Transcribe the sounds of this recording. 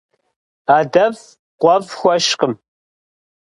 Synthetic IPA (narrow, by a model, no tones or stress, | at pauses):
aːdɐv | qʷɔvxʷɔʃqəm